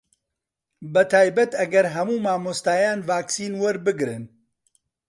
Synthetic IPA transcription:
bɐt̪ʰaːjbɐt̪ɐɡɐɾɦɐmuːmaːmost̪aːjaːnvaːksiːnwɐɾbɨɡɾɨn

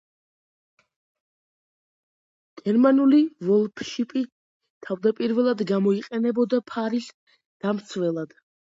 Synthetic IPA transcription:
ɡ̥ɛɾmanulivɔlˠpʰʃipʼi | t̪ʰavd̪apʼiɾvɛlˠad̪ɡamɔiqʼɛnɛbɔd̪apʰaɾis | d̪̥amt̪sʰvɛlˠad̪̥

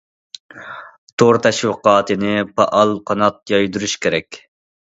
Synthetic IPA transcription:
t̪ʰoɾt̪ʰɛʃwɨqɑːt̪ʰɨnɪpʰɑʔɑlˠqʰɑnɑt̪̚jɑjd̪uɾuʃkʲʰeɾɛkʲ

